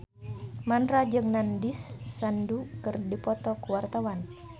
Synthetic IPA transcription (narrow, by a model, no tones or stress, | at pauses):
manrad͡ʒɨŋnandisːandukɨrdipɔt̪ɔkuwart̪awan